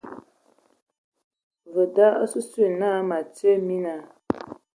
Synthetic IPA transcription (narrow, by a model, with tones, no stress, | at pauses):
və˨da˦ə˦sə˦se˦˨na˦ma˨t͡sə˦mi˦na˨